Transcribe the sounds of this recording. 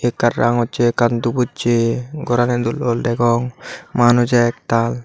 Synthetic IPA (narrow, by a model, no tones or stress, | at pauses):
ekːaɾːa̰ŋɔtt͡ʃekant̪ubut̚t͡ʃeɡɔɾanɛd̪ulɔldɛɡɔŋmanud͡ʒak̚t̪al